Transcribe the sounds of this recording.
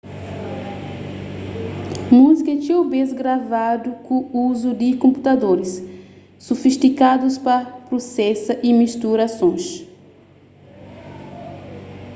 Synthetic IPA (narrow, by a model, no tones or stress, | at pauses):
muzikɐt͡ʃiobezɡɾavad̪ukõuzud̪ɪkõmput̪ad̪oɾɪsː | ofiʃt̪ikad̪uspapɾosɛsɐʔimiʃt̪uɾasõj̃s